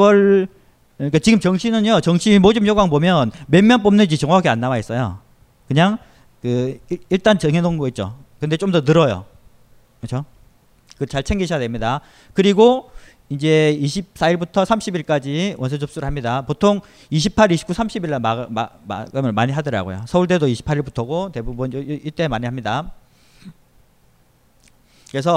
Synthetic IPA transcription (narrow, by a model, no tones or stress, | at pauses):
ʌɭ | ik͈at͡ɕiɡɯmt͡ɕʌŋɕʰinɯɲjot͡ɕʌŋɕʰiimod͡ʑɯmjoɡaŋbomjʌnme̞mjʌnp͈omnɯnd͡ʑit͡ɕʌŋaakʰeanːawais͈ʌjo̰ | kɯɲaŋ | kɯiɭt͈ant͡ɕʌŋɦenoŋɡoit̚t͡ɕ͈o̰ | kɯnde̞t͡ɕ͈omdʌtɯɾʌjo̰ | kɯt͡ɕʰo | kɯt͡ɕaɭt͡ɕʰeŋɡiɕʰjadwemɲida | kɯɾiɡo | ind͡ʑe̞iɕʰip̚s͈ʰaiɭbutʰʌsʰamɕʰibiɭk͈ad͡ʑiwʔʌnsʰʌd͡ʑop̚s͈uɾɯɭhamɲidapotʰoŋ | iɕ̬ʰipʰaɾiɕʰi̥pk͈usʰamɕʰibiɭːamamama̰ɡamʌmaɲiɦadʌɾa̰ɡo̰jo̰sʰʌuɭt͈e̞doiɕʰi̥pʰaɾiɭbutʰʌɡote̞bubuniɭt͈e̞maɲiɦamɲida | kɯɾe̞sʰʌ